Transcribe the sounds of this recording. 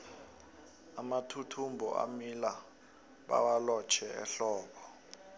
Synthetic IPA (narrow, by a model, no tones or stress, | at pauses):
amatʰutʰumbʱɔ̰ʔa̰mila | ɓa̰walɔt͡ʃʰɛɛ̰ɬɔːɓɔ